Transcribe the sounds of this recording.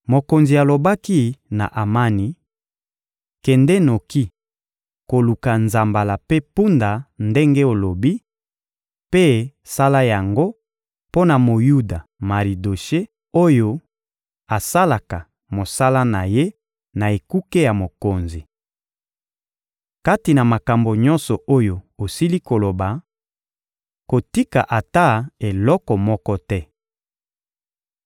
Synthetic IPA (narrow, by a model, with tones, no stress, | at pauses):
mo˨ko˨nzi˨a˨lo˨ba˦ki˦na̰˨ʔa˨ma˦ni˨ | kɛ˨ndɛ˦no˨ki˦ | ko˨lu˨ka˨nza˨mba˨la˨pe˦pu˦nda˨nde˦ŋɡe˦o˨lo˨bi˦ | pe˦sa˦la˦ja˨ŋɡo˦ | po˦na˨mo˨ju˦da˨ma˨ʁi˨do˨ʃe˦ | o˦jo˦ | a˨sa˦la˨ka˨ | mo˨sa˦la˦na˨je˦ | na˨e˨ku˦ke˦ja˨mo˨ko˨nzi˨ | ka˦ti˨na˨ma˨ka˨mbo˨ɲɔ̃˦nsɔ˨ʔo˦jo˨o˨si˦li˦ko˨lo˨ba˨ | ko˨ti˦ka̰˨ʔa˨ta˦e˨lɔ˦kɔ˨mɔ˦kɔ˦tɛ˦